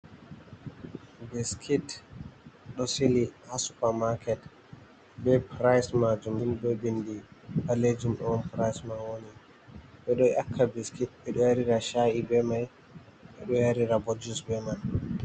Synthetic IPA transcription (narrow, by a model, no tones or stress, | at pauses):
biskʰit | ɗɔsilihasupaɾmakʰɛt | bɛpɾajsmad͡ʒumimɗɔbindihaled͡ʒumɗɔmpɾajsmanwoni | ɓɛɗɔakʰːabiskit̚ɓɛɗɔjaɾiɾaʃaʔibɛmaj | ɓɛɗɔjaɾiɾabɔd͡ʒusbɛman